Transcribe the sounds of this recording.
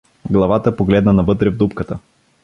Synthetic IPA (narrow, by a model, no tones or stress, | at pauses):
ɡlˠɐvat̪əpoɡlɛd̪nənɐvɤt̪ɾɛvd̪upkət̪ə